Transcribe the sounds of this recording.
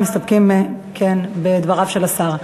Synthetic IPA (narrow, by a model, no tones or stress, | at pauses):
mist̪ab̚kimekʰenbed̪vaʁavʃelasaʁ